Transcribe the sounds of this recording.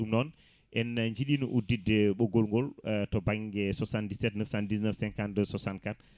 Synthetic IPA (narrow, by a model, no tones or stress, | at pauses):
ɗumnɔn | ʔɛnɲd͡ʒiɗinuʔudidɛɓɔɡolŋɡɔltɔbaŋɡɛsɔsandisɛtnəfsandisnəfsɛ̃ŋkandəsɔsankat̚